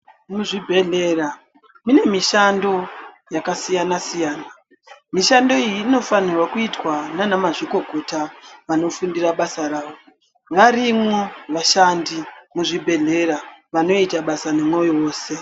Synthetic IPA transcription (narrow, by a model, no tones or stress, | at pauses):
muʐibʱe̞ɮera | mune̞miʃando̞ | jakasijanasijaːna | miʃando̞ijiːno̞fanirwakuitwananamaʐiko̞ɡʱo̞taʋano̞fundiraɓasaɾaːʋo̞ | ʋaɾimwo̞ʋaʃandimuʐibʱe̞ɮe̞ɾaʋano̞itaɓasanemwejo̞ːse̞